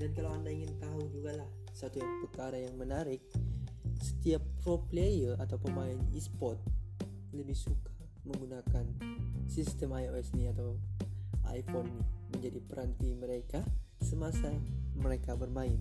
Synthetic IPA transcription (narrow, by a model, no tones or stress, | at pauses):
dankalawandaiŋɪnt̪aud͡ʒuɡalah | sat̪uapəkaɾajaŋmənaɾɪk̚ | sə̥t̪iap̚ːroplejəat̪awpəmaɪnḭspɔt̪̚ | ləbɪhsukḁ | məŋɡunakansist̪əmajoɛsniat̪aw | a̰jfɔnːɪhməɲd͡ʒadipəɾant̪iməɾeka | səmasaməɾekabərmaɪn